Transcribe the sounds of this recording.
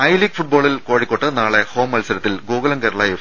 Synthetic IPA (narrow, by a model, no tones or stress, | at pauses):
ɐjliːkfuʈ̚boːɭilko̞ːɻikʲːoʈːɨnaːɭeho̞ːmːɐlsɐɾɐt̪ːilɡoːɡɐlɐŋkeɾɐɭaːjɐ